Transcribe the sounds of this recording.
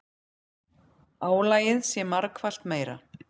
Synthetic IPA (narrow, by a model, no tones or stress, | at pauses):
aːwlaːjɪðsjɛmaɾkʰval̥t̪meːjɾa̰